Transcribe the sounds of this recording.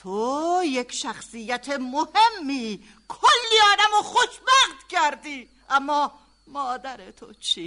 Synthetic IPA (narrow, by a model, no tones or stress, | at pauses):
t̪ʰojekʰʃæxsijæt̪ʰemohe̞mːiː | kʰolːiːɒːd̪æmoxoʃbæxt̪cʰæɾd̪iː | ʔæmːɒː | mɒːd̪æɾet̪ʰot͡ʃʰi